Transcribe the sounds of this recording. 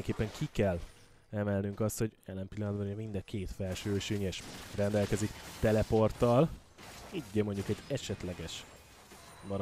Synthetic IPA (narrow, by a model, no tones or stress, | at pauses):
ɛŋkeːpːɛŋkʰikɛl | ɛmɛlnyŋkɒst̪ho̞ɟɛlːɛmpilːɒnd̪bɒnmind̪ɛkʰeːt̪fɛlʃøːʃyɲeʃrɛnd̪ɛlkɛzikt̪ɛlɛport̪ɒl | iɟːɛmo̞ɲɟukɛɟɛʃɛt̪lɛɡɛʃ | bɒɾ